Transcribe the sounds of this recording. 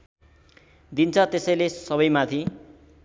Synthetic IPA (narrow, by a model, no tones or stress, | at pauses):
d̪int͡sʰʌt̪esʌjlesʌβʌjmat̪ʰi